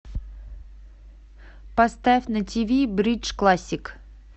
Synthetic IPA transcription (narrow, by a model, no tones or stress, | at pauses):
past̪afʲnətʲivʲibɾʲit͡ʃklˠasʲːɪk